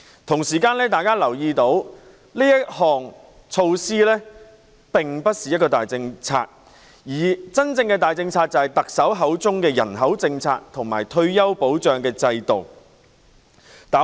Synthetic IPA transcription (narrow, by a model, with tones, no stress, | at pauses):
t̪ʰʊ˨˩ŋsiː˨˩kaː˧nlɛː˥t̪aː˨jkaː˥lɐ˨˩wjiː˧t̪o˨˥w | liː˥jɐ˥t̚hɔː˨ŋ | t͡sʰo˧wsiː˥lɛː˥ | pɪ˨˩ŋpɐ˥t̚siː˨jɐ˥tkɔː˧t̪aː˨jt͡sɪ˧ŋt͡sʰa̰ː˧t̚ | jiː˨˩t͡sɐ˥nt͡sɪ˧ŋkɛː˧t̪aː˨jt͡sɪ˧ŋt͡sʰaː˧t̚t͡sɐ˨˩hɐ˨jt̪ɐ˨k̚sɐ˨˥wɦɐ˨˥wt͡sʊ˥ŋkɛː˧jɐ̰˨˩nɦɐ˨˥wt͡sɪ˧ŋt͡sʰa̰ː˧t̚t̪ʰʊ˨˩ŋma̰ː˨˩jt̪ʰɵ˧ɥjɐ˥wpo˨˥wt͡ʃœː˨˩ŋkɛː˧t͡sɐ˧jt̪o˨w | t̪aː˨˥